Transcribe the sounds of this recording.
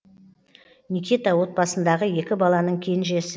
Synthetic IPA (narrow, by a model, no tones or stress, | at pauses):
nikʲit̪awo̞t̪̚bɑsənd̪ɑʁəje̞kʲɪbɑlˠɑnəɴkʲʰe̞nʒe̞sɪ